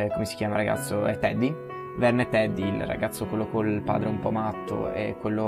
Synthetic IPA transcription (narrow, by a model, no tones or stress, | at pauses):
komesi̥kʲjaːmaɾaɡa̰t̪sːoɛt̪ːɛd̪ːi | vɛrnɛt̪ːɛd̪ːilra̰ɡat̪sːokwelːokolpa̰ːd̪ɾeumpɔmat̪ːo̰ḛkwelːo